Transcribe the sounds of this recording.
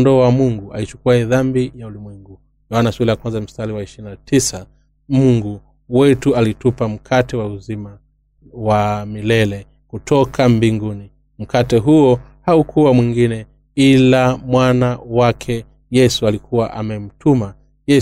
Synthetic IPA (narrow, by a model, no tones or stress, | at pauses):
ndɔwamuŋɡua̰it͡ʃu̥kuɛðambijaulimwɛŋɡu | jawanaswulɛjakwanzam̩staliwaiʃinatʰisa | muŋɡu | wɛtualitupam̩kʰatɛwauzima | wamilɛlɛ | kutʰɔkʰambiŋɡuni | m̩katɛɦuɔhaukʰuwamwiŋɡinɛ | ilamwanawakʰɛ | jɛsualikʰuwaʔamɛm̩tuma | jɛ